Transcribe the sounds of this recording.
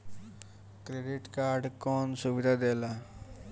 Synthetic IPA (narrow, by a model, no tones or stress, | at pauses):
kɾeːɖɪʈkaːɾɖkɔːnsuʋid̪ʱad̪eːla